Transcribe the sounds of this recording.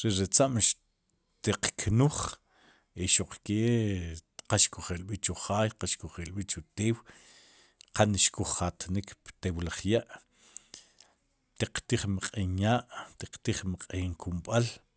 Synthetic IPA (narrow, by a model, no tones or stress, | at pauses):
ɾeɾet͡saʔmʃ | t̪iqkʰnuχ | iʃoq͡χke | qaʃkuχelɓit͡ʃuχaːjqaʃkuχelɓit͡ʃut̪eːw | qanʃkuχːat̪nikpt̪ewlaχjaʔ | t̪iq͡χt̪iχmaqʼinjaːʔt̪iqt̪iχmaqʼiŋkʰumɓal